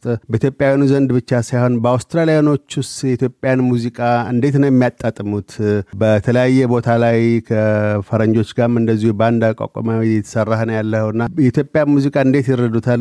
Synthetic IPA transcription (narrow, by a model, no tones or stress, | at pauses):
t̪ʼbəʔit̪ʰjo̞pʼjawinuzənd̪bɨt͡ʃːasajho̞nbəawst̪ɾalijano̞t͡ʃːʊst̪jɛit̪jo̞pʼːjanmuzikʼaɨ̰nd̪e̞t̪nəwjɛmːijat̪ʼːat̪ʼːɨmut̪bət̪ʰələjajːɛbo̞t̪ʰalajkʰəfəɾəɲd͡ʒo̞t͡ʃːɡamɨnd̪əzːihubəand̪akʼa̰kʼa̰mawijɛt̪ʰə̥sərːahənəwjalːəhəwɨnːajɛit̪ʰjopʼːjanmuzikʼaɨnd̪e̞t̪jɪɾːəd̪ut̪ʰal